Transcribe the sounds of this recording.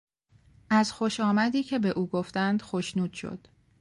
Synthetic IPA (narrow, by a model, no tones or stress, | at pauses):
ʔæzxo̞ʃɒːmæd̪iːcʰe̞be̞ʔuːɡoft̪ænd̪̥xoʃnuːd̪̥ʃo̰d̪̥